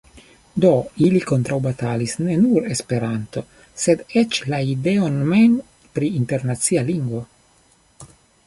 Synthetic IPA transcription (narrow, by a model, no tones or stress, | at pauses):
d̪o̞iliko̞nt̪ɾawbat̪alisne̞nuɾe̞spe̞ɾant̪o̞ | se̞d̪et͡ʃlaideonmen | pɾiːnte̞ɾnat̪sialiŋɡvo̞